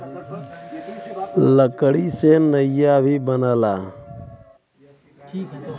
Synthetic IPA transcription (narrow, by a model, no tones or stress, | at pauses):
ləkəɽiːseːnəijaːbʱiːbənəːlaː